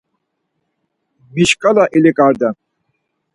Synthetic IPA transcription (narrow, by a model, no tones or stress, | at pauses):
miʃkʼalaʔɛlɛkʼaɾd̪a